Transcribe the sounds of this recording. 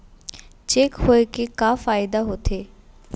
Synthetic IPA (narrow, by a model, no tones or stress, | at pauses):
t͡ʃekɦoekekaːfaːɪd̪aɦot̪eː